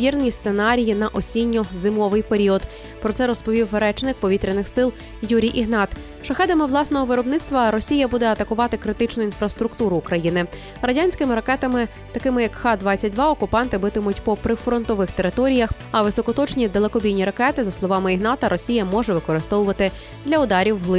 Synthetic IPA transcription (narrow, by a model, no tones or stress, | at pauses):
ʋʲirnʲist̪senɑɾʲijinɐʔɔsʲinʲːɔzɪmɔʋɪjpeɾʲiɔd̪ | pɾɔt̪sɛɾɔspɔʋʲiwɾɛt͡ʃnɪk̚pɔʋʲit̪ɾʲɪnɪxsɪlˠ | juɾʲijʔiɦnɑt̪ | ʃɐxɛd̪ɐmɪʋlˠɑsnɔɦɔʋɪɾɔbnɪt̪st̪ʋɐɾɔsʲijɐbud̪ɛɐt̪ɐkʊʋɑt̪ɪkɾɪt̪ɪt͡ʃnʊinfɾɐst̪ɾʊkt̪uɾʊːkɾɐjinɪ | ɾɐdʲanʲsʲkɪmɪɾɐkɛt̪ɐmɪ | t̪ɐkɪmɪjɐkxɑd̪ʋɑt͡sʲːɐt̚ʲd̪ʋɑɔkʊpɑnt̪ɪbɪt̪ɪmʊtʲpɔpɾɪfɾɔnt̪ɔʋɪxt̪eɾɪt̪ɔɾʲijɐx | ɐʋɪsɔkɔt̪ɔt͡ʃnʲid̪elˠekɔbʲijnʲiɾɐkɛt̪ɪzɐslˠɔʋɑmɪiɦnɑt̪ɐɾʔɔsʲijɐmɔʒɛʋɪkɔɾɪst̪ɔʋʊʋɐt̪ɪ | d̪lʲɐʊd̪ɑɾʲiwɦlˠɪ